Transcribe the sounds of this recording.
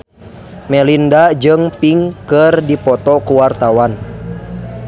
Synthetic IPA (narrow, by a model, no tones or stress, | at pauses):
mɛlindad͡ʒɨŋpiŋkɨrdipɔt̪ɔkuwart̪awan